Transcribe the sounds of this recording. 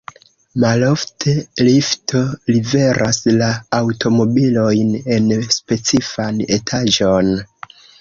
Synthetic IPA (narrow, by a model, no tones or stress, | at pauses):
malo̞ftʰe̞liftʰo̞live̞ɾʔaslaːwtʰo̞mo̞bilo̞jne̞nspe̞t͡sifane̞tʰaʒo̞n